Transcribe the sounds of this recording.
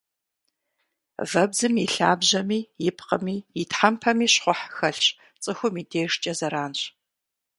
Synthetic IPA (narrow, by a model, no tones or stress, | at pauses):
vɐbzɨmiɬaːbʑɐmiːjɪpʰqəmiːjɪtħampʰɐmiːɕχʷʊħxɐɬɕ | t͡sʼɨxʷʊmiːdeːʂt͡ʃʼɐzɐɾaːnɕ